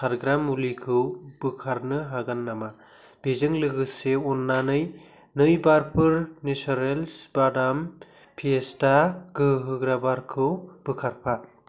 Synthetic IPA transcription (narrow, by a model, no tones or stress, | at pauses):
sʰaɾɡɾamulikʰɯwb̥ɯkʰaɾnɯɦaɡanːama | b̥ezɯŋlɯɡɯseɔnːanɯj | nɯjbaɾpʰɯɾnesaɾelsb̥adam | pʰiestaɡɯɦɯɡɾabaɾkʰɯwb̥ɯkʰaɾpʰa